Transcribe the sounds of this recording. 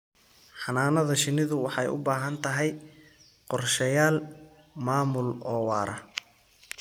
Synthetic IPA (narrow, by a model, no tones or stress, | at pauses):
ħɑnaːnɐðɐʃɪnɪðʊwɑħɑjʊ̰baːɦɐnt̪ʰɐɦɛj | qɔrʃɐjaːl | maːmʊlɔːwɑːɾʔɐ